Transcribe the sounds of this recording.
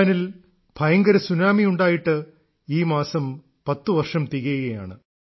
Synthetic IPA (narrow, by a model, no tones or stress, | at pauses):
ɐnil | b̥ʱɐjɐŋɡɐɾɐsunaːmijuɳɖaːjiʈːɨ | iːmaːsɐm | pɐt̪ːɨʋɐrʂɐmt̪iɣɐjɣɐja̰ːɳɨ